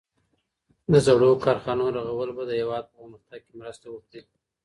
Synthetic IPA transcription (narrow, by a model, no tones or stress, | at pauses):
d̪əzaɽokɑɾxɑnoɾaɣawəlobad̪əhewɑd̪̚pəəməxt̪aɡ̚kemɾəst̪awokɽi